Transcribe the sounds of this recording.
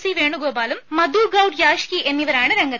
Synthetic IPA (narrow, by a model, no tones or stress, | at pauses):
siːʋeːɳɖuɡoːbaːlumːɐd̪ʱuːɡɐwʈjaːʂkiʔenːiʋɐɾaːɳɨɾeŋɡɐt̪ː